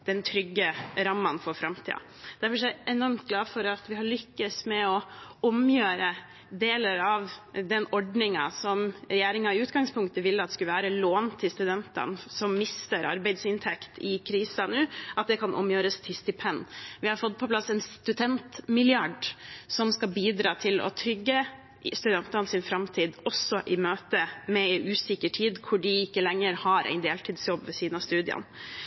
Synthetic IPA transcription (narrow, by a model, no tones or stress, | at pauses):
d̪̥ɛnt̪ʰɾʏɡːəɾɑmːɑnfɔɾfɾɑmt̪ʰḭːɑ̰ | d̪̥æɾfɔʂæɛnɔɾmt̪ɡlɑːfɔɾɑt̪ʋɪɦɑɾɭʏkːəsmɛɔɔmjøːɾə | d̪eːləɾɑʋd̪ɛnɔɖnɪŋɑ̰sɔmɾɛjeːɾɪŋɑɪʉːt̪ɡɑŋspʰʊŋkt̪əʋɪlːəɑt̪ɛskʉləʋæːɾəloːnt̪ʰɪlst̪ʉd̪ɛnt̪ə̰nsɔmːɪst̪əɾɑ̰ɾbæɪd̪sɪnt̪ʰɛkt̪ɪkʰɾiːsɑnʉːʔɑt̪̚d̪ɛkʰɑnʔɔ̰mjøːɾəst̪ʰɪst̪ɪpʰɛnːʋɪhɑɾfɔt̪̚ːpʰɔplɑsːɛnst̪ʉd̪ɛnt̪mɪlɪɑɖsɔmskɑbiːd̪ɾɑːt̪ʰɪlɔ̰t̪ʰɾʏɡːə | st̪ʉd̪ɛnt̪ɑnsɪnfɾɑmt̪ʰiːd̪ɔsːɔʔɪmøːt̪əmɛʔʉːsɪkəʈʰiːd̪kʰʊɖɪɪkːəlɛŋːəɾhɑɾʔæ̰ɪd̪eːlt̪ʰiːd̪sjɔbʋɛsiːnɑst̪ʉːd̪ɪə̰n